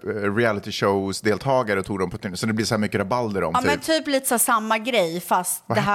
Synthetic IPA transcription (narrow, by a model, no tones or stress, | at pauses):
ɾɪælɪt̪ɪʂoʊsd̪eːlt̪ʰɑːɡaɾət̪ʰuːɡd̪ɔmpʰɔt̪ɪsɔd̪ɛblɪsɔhæːɾmʏkːəɾabald̪əɾɔ̰mmɛnːt̪ʰyːpliːt̪ə̥sæːsamːaɡɾɛjfast̪d̪ɛɦ